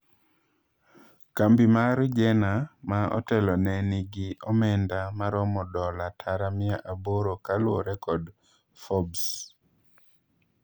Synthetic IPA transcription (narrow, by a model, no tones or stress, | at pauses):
kambimaɾd͡ʒɛnamaɔ̰tɛlɔnɛnɪɡɪɔmɛndamaɾɔmɔdɔlatʰaɾamɪaʔaboɾokalwoɾɛkɔd | fɔbs